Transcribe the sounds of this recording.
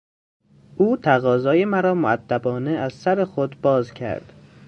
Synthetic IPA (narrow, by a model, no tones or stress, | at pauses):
ʔuːt̪ʰæɣɒːzɒːje̞mæɾɒːmoæd̪̥ːæbɒːneæzsæɾexod̪bɒːzcʰæ̰ɾd̪̥